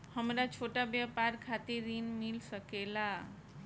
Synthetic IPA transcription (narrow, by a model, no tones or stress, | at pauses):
həmɾat͡ʃʰoʈabjapaɾkʰat̪eɾinmilsəkela